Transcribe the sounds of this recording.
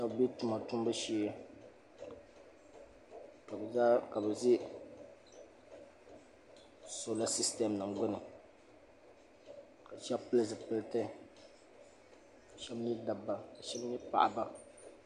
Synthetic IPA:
ʃa˦bbi˦tu˨˦ma˨tu˦m˦bɨ˦ʃiː˦ | ka˨bza˦ka˨bɛ˨zɪ˦ | so˨la˦si˦stɛ˨mnɨ˨ɡ͡bʊ˦nɨ˨ | ka˨ʃɛ˦pɨ˦lɨ˦zɨ˨pɨ˦ltɨ˦ | ka˨ʃɛ˦bɲi˦da˨bːa˨ka˨ʃɛ˦bɲi˦pa̰˨ʔa˨ba˦

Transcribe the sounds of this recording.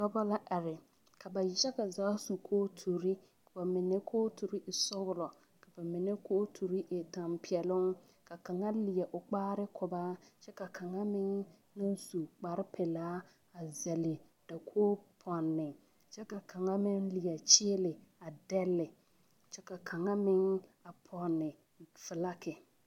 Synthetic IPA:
ɡa˦ba˦la˦ʔa˨ɾɪ˨ | kʰa˨ba˨jɛ˦ka˨zaː˨˦su˨kʰoː˦tʰu˨ɾi˦ | ka˨ba˨mɪ˨nɛ˦kʰoː˦tʰu˨ɾi˦ʔɪ˨sɔ˦ɣʊ˨˦lɔ˨ | ka˨ba˨mɪ˨nɛ˦kʰoː˦tʰu˨ɾi˦ʔɪ˨ta˨mpi˨ɛ˨lʊ˦ŋ | ka˨ka˨ŋa˦lɪ˨ɛ˨ʔʊ˨k͡paː˦ɾɪ˦kʰʊ˨baː˦t͡ʃɛ˦ka˨kʰa˨ŋa˦mɪ˦ŋ | na˦zu˨k͡pa˨ɾɪ˦pʰɛ˨laː˦ | a˨zɛ˨lɪ˨ | d̥a˨kʰoː˦pʰɔ˨nːɪ˨ŋ | t͡ʃɛ˦ka˨kʰa˨ŋa˦mɪ˦ŋlɪ˨jɛ˨t͡ʃɪ˦lɪ˨a˨dɛ˦lːɪ˨ | t͡ʃɛ˦ka˨kʰa˨ŋa˦mɪ˦ŋa˨pʰɔ˨nːɪ˨ | fɪ˨la˦kɪ˨

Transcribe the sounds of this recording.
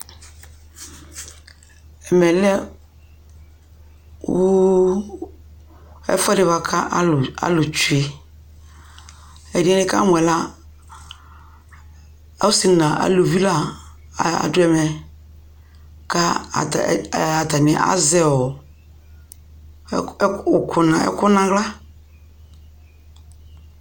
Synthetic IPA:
ɛ˨mɛ˨lɛ˦ | wo˦ | ɛ̰˦fa˦dɪ˨va˦kʰa˦˨a̰˦lʊ˨t͡ʃu˨˦e˨ | ɛ˨di˦ɛ˦nɪ˦ka̰˦mʷ˨ɛ˨la˦ | a̰˦si˨nã˨ʔa̰˨lo˨vi˦la˦˨ | a̰˨dʊ˦ɛ˨mɛ˨ | ka˦a̰˨ta˨ta˨nɪ̃˨ʔa̰˦zɛ˨wɔ˨˦˨ | kʰʊ˨nã˨ɛ̰˦kʊ˦nã˨ɣla˦

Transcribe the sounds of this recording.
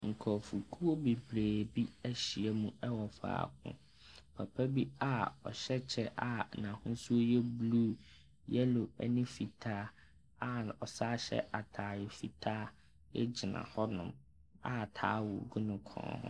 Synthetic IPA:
ŋ̩˨kʰɔ˨fu˨kʰu˦o˦be˨bɾeː˨bi˦æ˦ɕi˨ɛ˨˦mũ˦ɛ˦wɔ˨fa̰ː˨kʰʊ̰̃˦ | pʰa˨pʰæ˦bi˦a˦ɔ̰˨ɕɛ˦t͡ɕʰɛ˦ʔa˨nã˨hʊ̃˦su˦o˦jɛ˦bluː˦ | jɛ˦lo˨ɛ̰˦nɪ̃˦fi˨tʰaː˦ | a˨ɔ˨saː˦ɕɛ̰˦a˨tʰaː˨jɪ˨fi˨tʰaː˦ | ɛ˦d͡ʑi˨nã̰˨hɔ˦nʊ̰̃˦m | a˨tʰa̰ː˨˦wʊ˨ɡu˦nʊ̃˦kʰɔ̰̃ː˨˦hʊ̰̃˦

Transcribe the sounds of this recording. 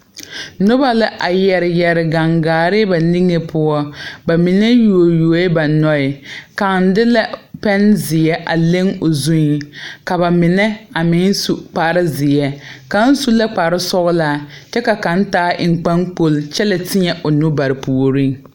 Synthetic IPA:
nʊ˦ba˦lɪ˦ʔa˨jɛ˨ɾɪ˨jɛ˨ɾɪ˨ɡa˨ŋɡaː˨ɾɪ˦ba˨li˦ŋe˦pʰʊ˦ɔ˦ba˨mɪ˨ne˦ju˨o˨ju˨˦ɪ˦ba˨nɔ˦ɪ˨ka˨ŋn˦dɪ˦la˦pɛ˦nzɪ˨ɛ˦ʔa˨le˦ŋo˨zu˦ɲ˨ka˨βa˨mɪ˨nɛ˦a˨mɪ˨˦n˦su˦k͡pa˨ɾɪ˦zɪ˨ɛ˦ka˨˦n̩˦su˦la˦k͡pa˨ɾɪ˦sɔ˦ɣʊ˦laː˦t͡ʃɛ˦ka˨ka˨˦n˦taː˦ʔɪ˨ŋ̩˨k͡pa˦ŋk͡po˦lt͡ʃɛ˦lɪ˨tɪ˦ɲɛ˨ʔo˨nʊ˦ba˨ɾɪ˨pu˨o˨ɾi˦ŋ

